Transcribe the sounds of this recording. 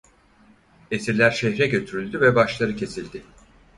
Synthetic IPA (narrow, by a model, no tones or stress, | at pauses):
e̞siɾlʲæɾʃɛçɾɛɟø̞t̪ʰyɾylʲd̪yvɛbaʃlˠaɾɯcʰe̞silʲd̪ɪ